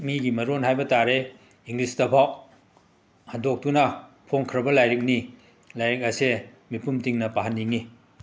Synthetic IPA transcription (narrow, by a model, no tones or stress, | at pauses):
miɡimɐɾonɦajbɐtaɾe | iŋɡlisdɐpʰaw | handok̚tunɐ | pʰoŋkʰɾɐbɐlajɾik̚ni | lajɾik̚ɐse | mipumtiŋnɐpaɦanːiŋi